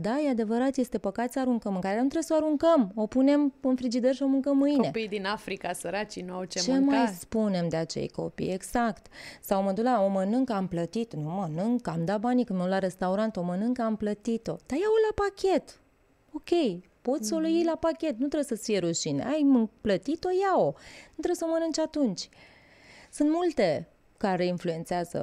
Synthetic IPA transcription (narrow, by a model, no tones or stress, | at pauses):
d̪ajead̪e̞vəɾat̪je̞st̪e̞pəkat̪səaɾuŋkəmɨŋkaɾeanut̪ɾebesəoaɾuŋkəmo̞pune̞mɨnfɾid͡ʒid̪ərʃio̞mɨŋkəmːɨjne̞pijd̪inafɾikasəɾat͡ʃinuawt͡ʃet͡ʃemaajspune̞md̪eat͡ʃe̞̰jko̞̰pḭje̞ɡz̥akt̪sawməd̪ulao̞mənɨŋkamplət̪it̪numənɨŋkːamd̪abanikɨnmulaɾe̞st̪auɾant̪o̞mənɨŋkamplət̪it̪o̞̰d̪̥ajaolapakʲe̞t̪ | o̞kʲe̞j | po̞t̪sʲso̞lujijlapakʲe̞t̪̚nut̪ɾesəfijeɾuʃinḛajmɨplət̪it̪o̞jaonut̪ɾeesomənɨŋt͡ʃat̪unt͡ʃʲ | sɨnt̪mult̪e̞ | kaɾe̞influe̞nt̪seazə̰